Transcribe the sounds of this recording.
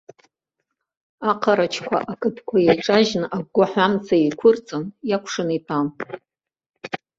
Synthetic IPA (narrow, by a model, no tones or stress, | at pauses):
aqʰaɾat͡ʃʰkʷʰa̰ʔakʰʼɨtʰkʷʰajejʈ͡ʂʼaʒnaɡʷaħʷamt͡sʰaikʷʰʊrt͡sʼɨnjakʷʰʂɨnitʼʰam